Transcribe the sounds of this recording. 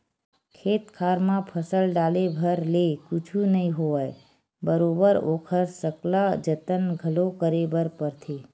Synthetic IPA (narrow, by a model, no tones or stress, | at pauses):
kʰeːt̪kʰaːɾmãpʰəsəlɖaːlebʱəɾlekʊt͡ʃʰunəɦĩɦoəe | bəɾoːbəɾoːkʰəɾsəklad͡ʒət̪ənɡʱəlokəɾebəɾpəɾt̪ʰeː